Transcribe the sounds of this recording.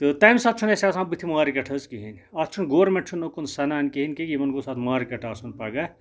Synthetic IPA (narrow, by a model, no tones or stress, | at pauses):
t̪ɨt̪ajmsɐt̪̚t͡ʃʰunesasãmbɨt̪ʰimuaɾikɐʈʰɐzkiɦinʲ | ɐt̪t͡ʃʰunɡoːɾmeʈt͡ʃʰunːokunsɐnaːnʲkiɦinkekimɐnɡosat̪ʰmuːɾikɐʈʰaːsʰunpaɡɐ